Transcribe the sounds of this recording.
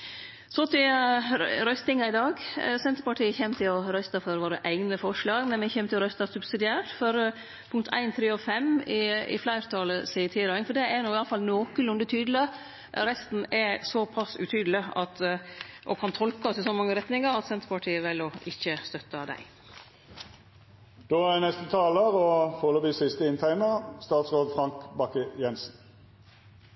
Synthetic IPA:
sɔt̪ʰɪɑɾœst̪ɪŋɑɪd̪ɑːɡsɛnt̪ɾpɑʈʰiːəçɛmːt̪ʰɪlɔɾœst̪ɑfɔɾʋoːɾəʔæɪɡnəfɔʂɭɑːɡmɛnmɛçɛmt̪ʰɪlɾœst̪ɑsʉbsɪd̪ɪæːʈfɔɾ | pʰʊŋkt̪ʰæ̰ɪnt̪ʰɾeːɔfɛmɪɪ̰flæɪɾt̪ʰɑləsiːt̪ʰiːɾɑɪŋfɔɖɛænɔɪɑləfɑlnoːkəlʊnd̪ət̪ʰyːd̪lə | ɾɛst̪n̩ɛsɔpʰɑsʉ̰t̪ʰyːd̪əlɪɑt̪ʔɔ̰kʰɑnt̪ʰɔlkəɔsɪsɔmɑŋːəɾɛt̪nɪŋəɾɑt̪sɛnt̪pɑʈʰiːəʋɛlːɔɪçːəst̪œt̪ːɑd̪æ̰ɪ | d̪̥oːænɛst̪ət̪ʰɑːləʁɔfoːləbiːsɪst̪əɪnt̪ʰæɪnəst̪ɑːt̪sʁoːd̪fʁɑŋkbɑkəjɛnsn̩

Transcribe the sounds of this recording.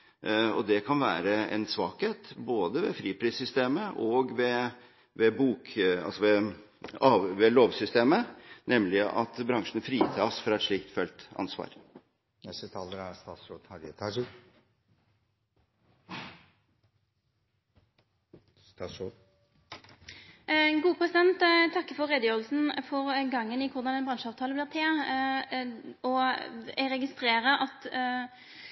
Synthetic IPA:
ɔd̪ɛkʰɑnʋæːɾəɛ̰nsʋɑːkheːt̪boːd̪əʋɛfɾiːpʰɾiːsʏst̪eːməʔɔːɡʋɛ | ʋɛbuːkɑ̰lsɔʋɛ | ɑːʋɛloːʋsʏst̪eːmənɛmlɪɑ̰t̪bɾɑŋʂɳ̩fɾiːt̪ʰɑːsfɾɑɛt̪ʂɭiːk̚t̪fœlt̪ɑ̰nsʋɑ̰ːɾ | nɛst̪ət̪ʰɑːləɾæst̪ɑːt̪sɾoːd̪hɑɾɛt̪ʰɑʂ | sɑso | ɡuːəpʰʁɛsɪd̪ɛnt̪t̪ʰɑkːəfɔʁʁɛd̪əjøːʁl̩sn̩fɔʁɡɑŋːənɪkʰʊʁd̪ɑnɛnbʁɑŋʂəɑːʋt̪ʰɑːləblɪːʁt̪ʰeː | ɔɛʁɛɡɪst̪ʁeːɾəʔɑt̪

